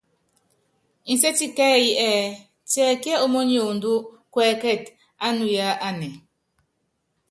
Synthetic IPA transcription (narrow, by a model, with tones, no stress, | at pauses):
i˨sɛ˦ti˦kɛ˦ji˦ʔɛ˦˨ | tɛ˨kɛ˦o˦mo˦ɲ˦o˨ndu˦ | kwɛ˨kɛ˦˨t | a˦nu˨ja˦ʔa˦nɛ˨